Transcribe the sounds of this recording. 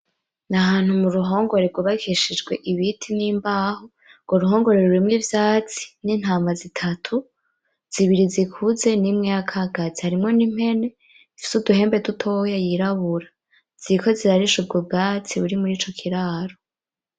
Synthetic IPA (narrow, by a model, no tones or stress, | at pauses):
naɦaːn̥humuɾuɦo̞ːŋɡo̞ɾeɾɡuβakʰiʃid͡ʒɡwe̞ʔiβitʰiniːmbaːho | ŋɡoɾuɦo̞ːŋɡo̞ɾeɾuɾimŋivjaːt͡si̥niːn̥haːmazitʰatʰu | z̥iβiɾizikʰuze̞nimŋejakʰaɡazihaɾimŋo̞nim̥he̞ne̞ | ifi̥suduɦe̞ːmbetutʰojajiɾaβuɾa | z̥iko̞ziɾaɾiʃub̚ɡob̚ɡaːt͡siβuɾimuɾiːt͡ʃo̞kʰiɾaːɾo